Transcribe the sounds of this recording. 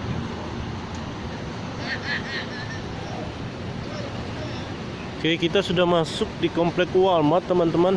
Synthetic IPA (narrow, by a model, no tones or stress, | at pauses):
kajakit̪asudahmasʊk̚dikɔmplɛkwalmat̪ːəmant̪əman